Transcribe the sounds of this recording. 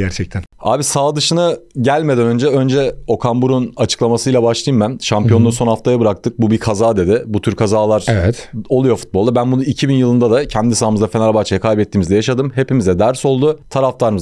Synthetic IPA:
ɟæɾt͡ʃʰɛc̚t̪ʰæna̰ːbisaːd̪ɯʃɯnɯɟælʲme̞d̪ænø̞nd͡ʒɛø̞nd͡ʒɛo̞kʰambuɾunat͡ʃʰɯ̥klˠamasɯjlʲˠabaʃlˠɯjɯmmɛmʃampijo̞nd̪aso̞nhaft̪ʰajabɯɾak̚t̪ʰɯk̚bubikʰazaːd̪e̞d̪ɪbut̪ʰyɾkʰazaːlˠaɾɛvɛt̪o̞lˠujo̞fu̥t̪̚bo̞lˠd̪abænbunuicʰibinjɯlˠɯnd̪ad̪acʰɛnd̪isaːmɯzd̪afe̞nalʲbat͡ʃʰajakʰajbɛt̪ːiːmizd̪ɛjaʃad̪ɯmɦe̞pimizd̪ɛd̪æɾso̞lˠd̪ut̪ʰaɾaft̪ʰaɾɯmɯz

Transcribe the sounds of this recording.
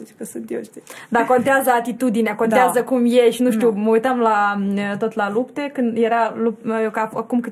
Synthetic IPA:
et͡ʃkəsɨnt̪joʃt̪id̪ako̞nt̪eazəat̪it̪ud̪ineako̞nt̪eazəkumjeʃinuʃt̪uməujt̪amlaət̪o̞t̪lalupt̪e̞kɨnd̪jeɾalupafakumkɨ

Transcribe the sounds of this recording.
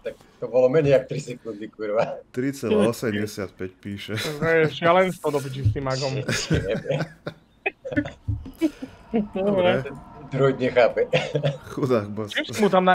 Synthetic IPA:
t̪ak̚ | t̪ɔbɔlɔmɛɲɛɪakt̪ɾisɛkund̪ikuɾʋat̪ɾit͡sɛlaɔsɛmɟɛsɪat̪̚pɛcpiːʃɛɛjɛʃɪalɛnst̪ɔd̪ɔp̬it͡ʃist̪imaɡɔmɛɲɛbɛ | ɔbɾɛɛɛd̪ɾujd̪ɲɛxaːpɛxud̪aːɣbt͡ʃimsimut̪amna

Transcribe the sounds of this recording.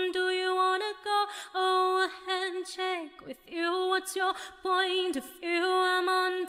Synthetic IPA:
ndəjɨwɑnɨɡoʊoʊvəæ̃nt͡ʃʰekwɪðjɨwʌtsjə˞pʰɔ̃ɪ̃ntʌvjʉãɪ̃mən

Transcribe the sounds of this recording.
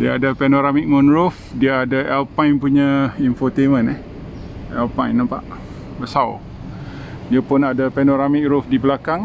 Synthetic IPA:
diaadapɛnoɾamik̚mɔnɾʊfdiaadaʔɛlpajŋpuɲaimfot̪emə̃nɛh | ɛlpãjnãmpa̰ʔ | bəsaw | diapʊnadapɛnoɾamik̚ɾʊfdibəlakaŋ

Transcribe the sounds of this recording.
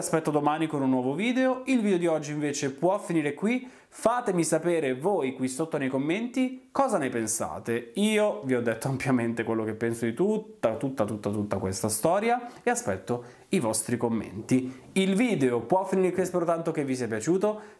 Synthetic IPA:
aspɛt̪ːod̪omaːnikonunːwɔːvoviːd̪eoilvid̪eod̪iɔd͡ʒːiɱveːt͡ʃepwɔfːiniːɾekwi | faːt̪emisapeːɾevoːjkwisot̪ːonejkomːent̪ikɔːzanepensa̰ːt̪eiːoviɔd̪ːet̪ːoampjament̪ekwelːokepːɛnsod̪it̪ut̪ːat̪ut̪ːat̪ut̪ːat̪ut̪ːakwest̪ast̪ɔːɾjaeaspɛt̪ːo | ivɔst̪ɾikomːḛnt̪i | ilviːd̪eopwɔfiniːɾekwiaspɛɾot̪ant̪ok̟evːisiːapjat͡ʃuːt̪o

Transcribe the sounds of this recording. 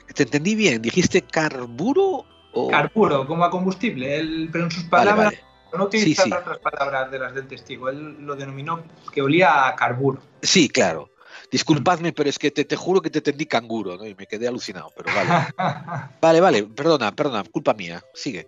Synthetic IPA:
t̪ent̪e̞nd̪iβ̞jend̪ixist̪ekaɾβuɾo | o̰kaɾβuɾokomoako̞mbust̪iβleelpeɾoonsuspabalaβaɾaḛ | nout̪ilsiisiaot̪ɾaspalaβɾazðelazðe̞lt̪est̪iɣoelːoðenomĩno | keoliaːkaɾβuɾo | sikla̰ɾo̰ | d̪̥iskulpaðmepeɾoesket̪et̪exuɾoket̪ent̪end̪ikaŋɡuɾonoime̞keðealuθina̰wpeɾoβal | baleβalepe̞ɾðonapeɾðonakulpamḭa̰siɣe

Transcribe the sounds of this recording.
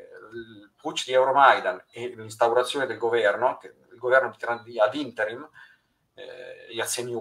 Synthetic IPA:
lput͡ʃːd̪iɛwɾomajd̪anelins̬t̪awɾat̪sːjoːned̪elɡovɛrnoke | ilɡovɛrnoit̪iɾand̪iavint̪eɾim̰ | asenju

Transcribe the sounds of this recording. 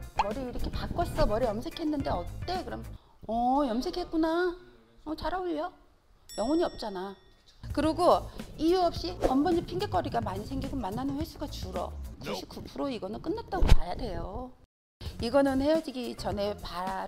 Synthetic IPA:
mʌɾiːɾʌkʰe̞pak͈ʌs͈ʌmʌɾijʌmsʰe̞kʰe̞nːɯnde̞ʌt͈e̞kɯɾʌm | ʌjʌmsʰe̞kʰe̞t̚k͈una | ʌt͡ɕaɾaoʎʌ | jʌŋʌɲiʌp̚t͡ɕ͈ana | kɯɾiɡoijuʌp̚ɕ͈iʌmbʌɲipʰiŋɡek͈ʌɾiɡamaɲisʰeŋɡiɡomanːanɯnɸwe̞sʰuɡat͡ɕuɾʌ̰kuɕʰik͈ʰupʰɯɾoiɡʌnɯnk͈ɯnːat̚t͈aɡomajadwe̞jo | iɡʌnɯnhe̞jʌd͡ʑiɡit͡ɕʌne̞paɾ

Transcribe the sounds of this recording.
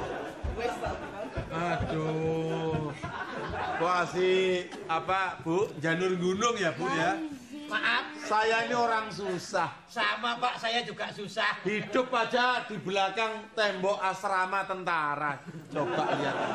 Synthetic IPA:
ad̪̥u | koasi | apab̥uʔɲd͡ʒanʊrŋɡunʊŋjabʊʔja | maʔapsajainioɾaŋs̬usah | samapaʔsajad͡ʒuɡ̥aʔsusahhid̥ʊpːad̥ad̪̥i̤bəlakaŋt̪ɛmbɔʔasɾamat̪ənt̪aɾat͡ʃob̥aʔija

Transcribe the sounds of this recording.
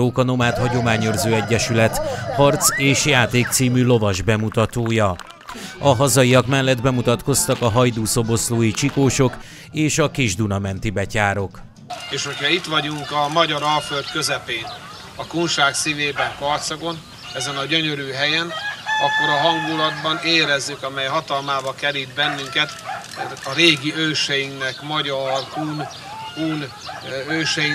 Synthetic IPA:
oːkɒno̞maːt̪hɒɟo̞maːɲørzøːɛɟːɛʃylɛt̪hɒrt̪seːʃjaːt̪eːk̚t̪siːmylo̞vɒʒbɛmut̪ɒt̪oːjɒ | ɒɦɒzɒiɒkmɛlːɛd̪bɛmut̪ɒt̪ko̞st̪ɒkɒɦɒjd̪uːso̞bo̞sloːjit͡ʃikoːʃo̞k | eːʃɒkiʒd̪unɒmɛnt̪ibɛcaːɾo̞k | eːʃho̞cʰhɒit̪ʋɒɟuŋkɒmɒɟɒɾɒlfølt̪kø̞zɛpeːn | ɒkuːnʃaːksiveːbɛŋkɒrt̪sɒko̞n | ɛzɛnɒɟøɲøɾyːɦɛjɛnɒkːo̞ɾɒɦɒŋɡulɒd̪bɒneːɾɛzːykɒmɛjɦɒt̪ɒlmaːbɒkɛɾid̪̚bɛnːyŋkɛt̪ | ɒɾeːɡiøːʃɛjiŋknɛkmɒɟɒrkuːn | kuːn | øːʃɛji

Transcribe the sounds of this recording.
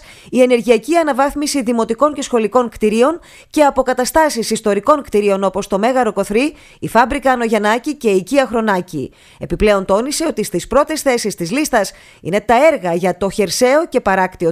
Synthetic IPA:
ie̞ne̞ɾʝiɐciɐnɐvɐθmisiðimo̞t̪iko̞ɲce̞sxo̞liko̞ŋkt̪iɾio̞n | ce̞ɐpo̞kɐt̪ɐst̪ɐsisist̪o̞ɾiko̞ŋkt̪iɾio̞no̞po̞st̪o̞me̞ɣɐɾo̞ko̞θɾiː | fɐbɾikɐːno̞ʝɐnɐcice̞iciɐxɾo̞nɐcḭ | e̞piple̞o̞nt̪o̞nise̞o̞t̪ist̪ispɾo̞t̪esθe̞sist̪izlist̪ɐs | ḭne̞t̪ɐe̞ɾɣɐʝɐt̪o̞çe̞ɾse̞o̞ce̞pɐɾɐkt̪io

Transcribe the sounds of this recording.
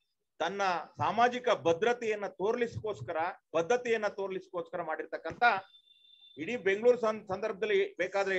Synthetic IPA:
t̪ɐnːɐsaːmaːd͡ʒikɐbɐd̪ɾɐt̪ɛjɐnːɐt̪oːɾɐlisi̥ko̞ːskɐɾɐb̥ɐd̪ʱːɐt̪ɛjɐnːɐt̪oːɾɐlisi̥koːskɐɾɐmaːɽiɾt̪ɐkːɐnt̪ɐ | iɽiːbe̞ŋɡɭuːɾssɐnd̪ɐɾbɐd̪ɐlːibeːkaːd̪ɐɾe

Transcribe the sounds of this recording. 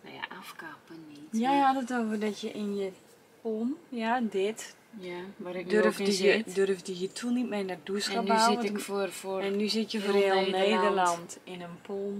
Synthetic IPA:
nja̰ʔafkapənijaɔtətoːvərdɔtjəʔɪnjə | pomjadɪt | jadørfdjədørfdəjətʰunitmɛnarduəskaaɔfɛnːyzɪtjəfforelˠnneːdərlɔntɪnənpʰom

